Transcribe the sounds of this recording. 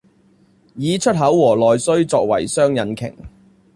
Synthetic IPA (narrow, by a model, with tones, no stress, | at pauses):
jiː˨t͡ʃʰɵ˥t̚ɦɐ˨˥wwɔː˨˩lɔː˨jsɵ˥ɥt͡sɔː˧k̚wɐ̰˨˩jsœː˥ŋjɐ˨˥nkʰɪ̰˨˩ŋ